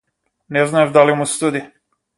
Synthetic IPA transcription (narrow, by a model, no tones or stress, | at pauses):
neznaevd̪alimust̪ud̪i